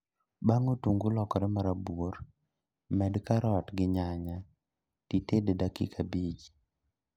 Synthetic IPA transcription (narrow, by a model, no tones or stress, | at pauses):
baŋotuŋɡulɔkɔɾɛmaɾabwoɾ | mɛdkaɾɔtɡɪɲaɲa | titededakḭkʰabit͡ʃ